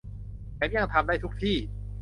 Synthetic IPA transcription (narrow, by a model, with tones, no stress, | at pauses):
pʰe˨˩˦mja˧˩ŋt̪ʰa˧mdaː˥˩t̪ʰu˦˥k̚t̪ʰiː˥˩